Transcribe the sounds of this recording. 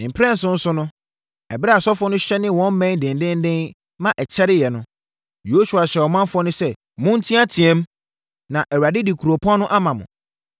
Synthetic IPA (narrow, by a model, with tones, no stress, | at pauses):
m̩˨pʰɾɛ̃˦n̩˨sʊ̃˦n̩˦sʊ˦nʊ̃˦ | ɛ˨bɪ˦ɾa˨sɔ˦fɔ˦nʊ̃˦ɕɛ˦nɪ̃˦wɔ̃˦m˦mɛ̃˦dɪ̃˨n˨dɪ̃˦n˦dɪ̃˦n | mã˦ʔɛ˨t͡ɕʰɛ˦ɾɪ˦jɛ˨nʊ̃˦ | jo˦su˨a˨ɕɛ˨wɔ˨mã˦n˦fʊ˦ɔ˦nʊ̃˦sɛ˦ | mʊ̃˦n̩˦tʰĩ˦a˦tʰĩ˨ɛ̃˦m | nã˨ʔɛ˨wa˨dɪ˦di˨kʰu˨ɾo˨pʰɔ̃˦nʊ̃˦ʔa˦mã˨mʊ̰̃˨